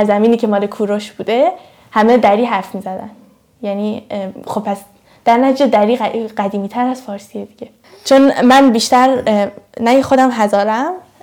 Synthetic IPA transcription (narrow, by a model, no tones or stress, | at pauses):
æɾzæmiːniːcʰe̞mɒːlekʰuːɾoʃb̥uːd̪e | hæmed̪æɾiːɦæɾfmiːzæd̪æn | jæniːxob̚pʰæs | d̪̥æɾnæt̪ʰid͡ʒed̪æɾiːɢæd̪iːmiːt̪ʰæɾæz̥fɒːɾsied̪iɟe̞ | t͡ʃʰonmænbiʃt̪æɾnæjexod̪æmɦæzɒːɾæm